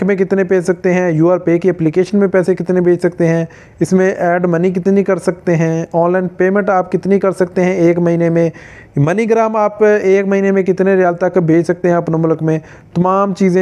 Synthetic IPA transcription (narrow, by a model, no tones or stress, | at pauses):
mẽkɪt̪nepeːt͡ʃsɐk̚t̪eɦɛ̃juːaːɾpekeɛplikeːʃənmẽpɛːsekɪt̪nẽbʱeːt͡ʃʰsɐkt̪eɦɛ̃ː | ɪsmẽʔɛːɖmɐnik̬ɪt̪nikɐɾsɐk̚t̪eɦɛ̃ːɔːnlaːɪnpeːmẽɳʈaːpkɪt̪nikɐɾsɐk̚t̪eɦɛ̃eːkmɐɦiːnemẽ | mɐniɡɾaːmaːpeːkmɐɦiːnemẽkɪt̪neɾɪjaːlt̪akbʱeːt͡ʃʰsɐk̚t̪eɦɛ̃ɐpnomʊləkmẽ | t̪ɐmaːmt͡ʃiːzẽ